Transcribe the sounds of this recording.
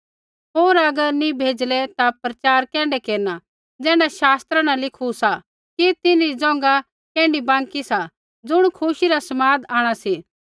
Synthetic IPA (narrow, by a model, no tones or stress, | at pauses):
ɦoːɾɐɡəɾnĩbʱeːd͡ʒlɛt̪apɾɐt͡ʃaːɾkɛ̃ːɳɖɛkeːɾna | d͡zɛ̃ːɽaʃaːst̪ɾanãlɪkʰusa | kit̪ɪnid͡zɔ̃ːŋ̆ɡa | kɛ̃ːɳɖibãːŋkisa | d͡zʊɽ̃kʰʊʃiɾasɐmaːd̪aːɽ̃asi